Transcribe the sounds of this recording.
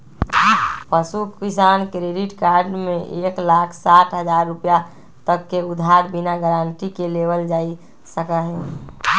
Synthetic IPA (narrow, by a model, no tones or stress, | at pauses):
pəsukisaːnkɾeɖiʈkaːɾɖmẽʔeːklaːkʰsaʈɦəd͡ʒaːɾːupja | t̪əkːeʊd̪ʱaɾbinaɡəɾãːɳʈikeleʋəld͡ʒaːi | səkəɦɛ